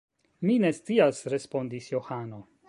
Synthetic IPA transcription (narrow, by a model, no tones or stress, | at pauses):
mine̞st͡siasɾe̞spo̞ndisjo̞hano̞